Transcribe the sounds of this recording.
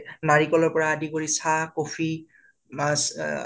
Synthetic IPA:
naɹikɔlɔɹpɔɹaːdikoɹisakofʰi | mas

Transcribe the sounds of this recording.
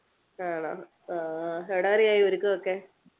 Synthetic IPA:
aɳa̰ | aeɽaːɾijaːjioɾukːɨokːeː

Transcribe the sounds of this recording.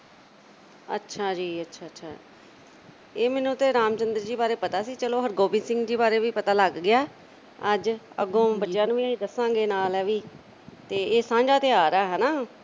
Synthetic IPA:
ə̰tːʃʰaːd͡ʒiːətːʃʰaːətːʃʰaː | eːmɛːnũːt̪eːɾaːmt͡ʃənd̪əɾd͡ʒiːbaːɾeːpət̪aːsiːt͡ʃəloːɦəɾɡoːbĩːsɪ̃ŋɡd͡ʒiːbaːɾeːʋiːpət̪aːləɡːɪjaː | əd͡ʒə̰ɡõːbətːʃjãːnũːiĩːd̪əsãːɡeːnaːlɛːʋiː | t̪eːeːsãːd͡ʒaːt̪eːaːɾaːɦɛːnaː

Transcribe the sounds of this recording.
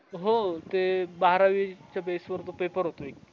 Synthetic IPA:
ɦot̪ebaɦɾaʋit͡ɕjabesʋəɾt̪opepəɾɦot̪oek

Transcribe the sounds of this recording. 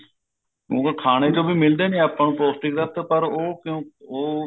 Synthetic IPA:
kjõ̰ːkekʰaːɽ̃eːd͡ʒoːbʱiːmɪld̪eːneːaːpːãːnũːpɾoːsʈɪkɾət̪ːpəɾoːkɪjõːoː

